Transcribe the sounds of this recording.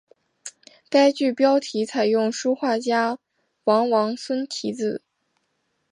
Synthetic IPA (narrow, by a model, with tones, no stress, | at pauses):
ka˥ɪt͡ɕy˥˩pjɑ˥ʊt̪ʰi˧˥t͡sʰa˨˩ɪjʊ˥˩ŋʂu˥xwa˥˩t͡ɕja˥ | wɑ˧˥ŋwɑ˧˥ŋswə˥nt̪ʰi˧˥t͡sɹ̩˥˨˩